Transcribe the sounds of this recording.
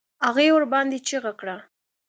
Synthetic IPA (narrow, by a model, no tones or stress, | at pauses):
aɣewəɾbɑnd̪et͡ʃiɣakɽa